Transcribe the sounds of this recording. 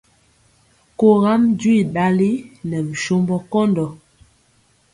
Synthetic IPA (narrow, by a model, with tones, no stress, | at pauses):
ko˨ɣa˦md͡ʒwi˦˨da˨li˦nɛ˨vi˨ʃo˦mbɔ˦kɔ˦ndɔ˨